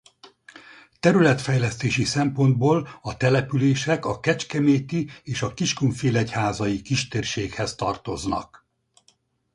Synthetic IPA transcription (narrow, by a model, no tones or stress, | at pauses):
t̪ɛɾylɛt̪fɛjlɛst̪eːʃisɛmpo̞nd̪̚boːlɒt̪ɛlɛpyleːʃɛkɒkɛt͡ʃkɛmeːt̪ieːʃɒkiʃkuɱfeːlɛchaːzɒjikiʃt̪eːrʃeːkhɛst̪ɒ̰rt̪o̞znɒ̰k